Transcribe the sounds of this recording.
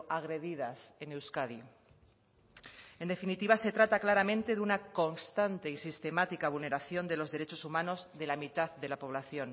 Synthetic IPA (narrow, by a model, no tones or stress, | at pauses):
ʔaɣɾe̞ðiðasenewskaði | e̞nd̪efinit̪iβ̞ase̞t̪ɾat̪aklaɾamẽ̞nt̪e̞ðunako̞nst̪ant̪e̞isist̪e̞mat̪ikaβ̞ulne̞ɾaθjo̞nd̪e̞lo̞zðe̞ɾe̞t͡ʃo̞sumãno̞zðe̞lamit̪aððe̞lapo̞β̞laθjo̞n